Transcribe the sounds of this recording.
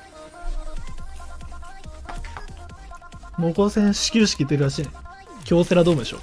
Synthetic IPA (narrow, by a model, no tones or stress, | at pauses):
moːkoːsẽɰ̃ɕi̥kʲiɾɯ̟ɕi̥kʲiːt̪eɾɯ̟ɾaɕĩŋ | kʲo̞ːseɾad̪oːmod̪eɕo̰ː